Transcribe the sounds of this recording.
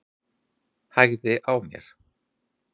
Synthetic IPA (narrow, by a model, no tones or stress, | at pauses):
hajɣðɪʔawmjɛ̰ɾ̥